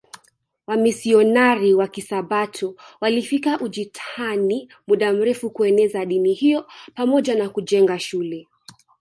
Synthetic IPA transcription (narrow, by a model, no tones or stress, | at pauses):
wamisiɔnaɾiwakisaɓatʰɔwalifikaʔuʄitʰani | muɗam̩ɾɛfukuɛnɛzaɗinihijɔpamɔʄanakuʄɛŋɡaʃulɛ